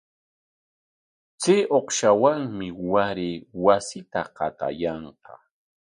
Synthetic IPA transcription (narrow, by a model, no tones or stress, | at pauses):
t͡seːʔoqʃawaŋmɪwaɾeːwasɪt̪aqɑt̪a̰jɑɴqɑ